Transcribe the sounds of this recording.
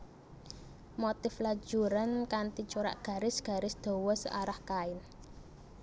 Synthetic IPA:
mot̪ɪflḁd͡ʒ̥uɾankant̪it͡ʃuɾa̰ʔɡ̥ä̤ɾɪsɡ̥a̤ɾɪsd̪̥o̤wɔsə̰ʔaɾahkaɪn

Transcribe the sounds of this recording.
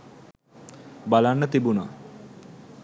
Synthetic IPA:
balanːət̪ibuna̰

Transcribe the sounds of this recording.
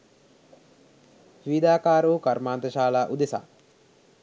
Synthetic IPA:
ʋid̪aːkaːɾuukaɾmaːnt̪əʃaːlaːʔud̪esa̰ː

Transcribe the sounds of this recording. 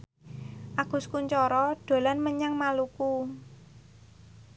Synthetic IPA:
ʔaɡ̥ʊ̤skuɲt͡ʃɔɾɔɖ̥o̤lanməɲaŋmaluku

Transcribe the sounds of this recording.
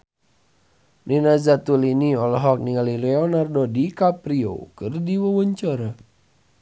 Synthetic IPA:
ninazat̪uliniɔlɔɦɔk̚niŋalilɛɔnardodikapɾio̰kɨrdiwəwəɲt͡ʃɔɾa

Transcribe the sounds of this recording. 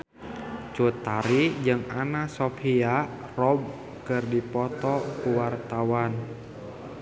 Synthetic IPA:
t͡ʃut̪aɾid͡ʒɨŋanasɔfʰia | rɔb̚ | kɨrdipɔt̪ɔkuwart̪awan

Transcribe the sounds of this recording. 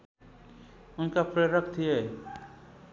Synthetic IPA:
ʊnkapɾeɾəkt̪iɛː

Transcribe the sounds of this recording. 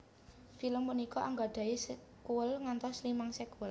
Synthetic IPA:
filəmpunikɔʔaŋɡaɖ̥a̤is | kuəlŋant̪ɔslimaŋsekuəl

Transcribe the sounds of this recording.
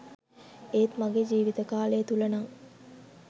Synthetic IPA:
eːt̪maɡed͡ʒiːʋit̪əkaːləjət̪ulənaŋ

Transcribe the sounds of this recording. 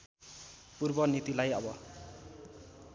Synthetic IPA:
purbʌnit̪ilajʌbʌ

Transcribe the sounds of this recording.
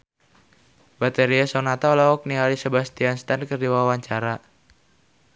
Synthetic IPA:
bat̪ɛɾiasonat̪alaɔk̚nialisəbast̪ianst̪ankərdiwawaɲt͡ʃaɾa

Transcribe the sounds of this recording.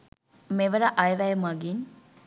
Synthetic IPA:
meʋəɾaʔɐjʋæjmɐɡiɲ

